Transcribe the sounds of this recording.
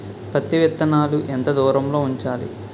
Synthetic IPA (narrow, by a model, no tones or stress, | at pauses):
pɐt̪ːiʋit̪ːɐnaːluʔent̪ɐd̪uːɾɐmlo̞ːuɲt͡ʃaːlḭ